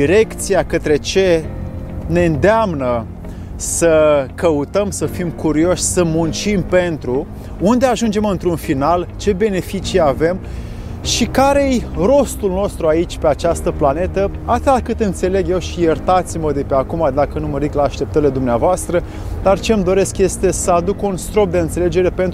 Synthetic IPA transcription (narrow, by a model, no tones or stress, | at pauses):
iɾe̞kt̪sijakət̪ɾe̞t͡ʃe̞ | ne̞ɨnd̪eamnə | səkəut̪əmsəfimkuɾio̞ʃʲsəmunt͡ʃimpe̞nt̪ɾu | und̪e̞aʒund͡ʒe̞mɨnt̪ɾunfinalt͡ʃe̞be̞ne̞fit͡ʃijave̞m | ʃikaɾejro̞st̪ulno̞st̪ɾuait͡ʃʲpe̞at͡ʃast̪əplane̞t̪ə | at̪akɨt̪ɨnt̪se̞le̞ɡje̞wʃije̞rt̪at̪siməd̪e̞pe̞akumad̪akənuməɾiklaːʃt̪e̞p̚t̪əɾile̞d̪umneavoast̪ɾə | d̪art͡ʃe̞md̪o̞ɾe̞skje̞st̪e̞səad̪ukunst̪ɾo̞p̚d̪eɨnt̪sele̞d͡ʒe̞ɾe̞pe̞nt̪